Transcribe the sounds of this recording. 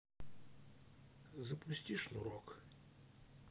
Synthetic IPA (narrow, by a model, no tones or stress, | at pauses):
zɐpʊsʲtʲiʂnṵɾɔk